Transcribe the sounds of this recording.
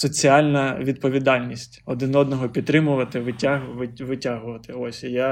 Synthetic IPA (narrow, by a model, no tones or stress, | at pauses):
sɔt͡sʲiɑlʲnɐʋʲid̪̚pɔʋʲid̪ɑlʲnʲisʲtʲɔd̪ɪnɔd̪nɔɦɔpʲit̪t̪ɾɪmʊʋɐt̪ɪʋɪtʲaɦʋɪʋɪtʲaɦʊʋɐt̪ɪɔsʲja